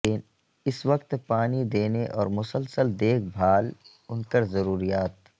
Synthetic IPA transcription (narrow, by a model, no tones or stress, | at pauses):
ɪn | ɪsʋəkt̪paːnid̪eːneʔɔːɾmʊsəlsəld̪eːkʰbʱaːl | ʊnkəɾzɐɾuːɾijaːt̪